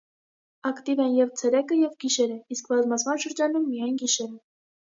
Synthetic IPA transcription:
ɑkt̪ivɛnjɛvt͡sʰɛɾɛkəjɛvɡiʃɛɾəiskbɑzmɑt͡smɑnʃəɾd͡ʒɑnumːijɑjnɡiʃɛɾə

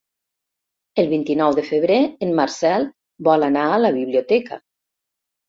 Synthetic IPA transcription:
əlˠβint̪inɔwðəfəβ̞ɾeənmaɾsɛlˠ | bɔlanaələβiβliot̪ɛkə̰

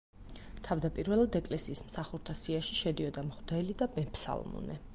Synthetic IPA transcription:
t̪ʰavd̪apʼiɾvɛlˠad̪ɛkʼlɛsiːsmsaχuɾt̪ʰasiaʃiʃɛd̪iɔd̪amχd̪ɛlid̪abɛpʰsa̰lˠmɔ̰nɛ

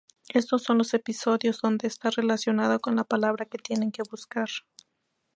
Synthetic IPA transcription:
e̞st̪o̞sːo̞nlo̞se̞piso̞ðjo̞zðo̞nd̪e̞ːst̪are̞lasjo̞naðoko̞nlapalaβ̞ɾake̞t̪je̞ne̞ŋke̞βuskaɾ

